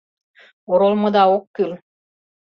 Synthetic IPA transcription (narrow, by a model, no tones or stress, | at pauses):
oɾolˠmod̪ɑokːil